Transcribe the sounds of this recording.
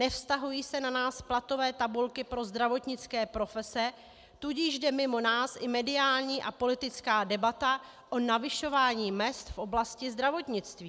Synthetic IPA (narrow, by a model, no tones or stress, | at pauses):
nɛfst̪aɦujiːsɛnanaːsplat̪o̞vɛːt̪abulkɪpɾo̞zd̪ɾavo̞t̪ɲɪt͡skɛːpɾo̞fɛsɛ | t̪uɟɪʒdɛmɪmo̞naːsʔɪmɛdɪaːlɲiːʔapo̞lɪt̪ɪt͡skaːdɛbat̪a | ʔonavɪʃo̞vaːɲiːmɛst̪fʔo̞blascɪzd̪ɾavo̞t̪ɲɪt͡st̪viː